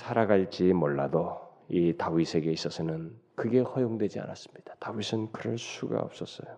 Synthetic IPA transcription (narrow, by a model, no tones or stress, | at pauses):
sʰaɾaɡaɭt͡ɕ͈imoɭːadoitawisʰe̞ɡe̞is͈ʌsʰʌnɯnkɯɡe̞hʌjoŋdwe̞d͡ʑia̰nas͈ɯ̥mɲid̥ḁtawisʰɯnkɯɾʌɭsʰuɡa̰ʌ̰p̚s͈ʌs͈ʌjo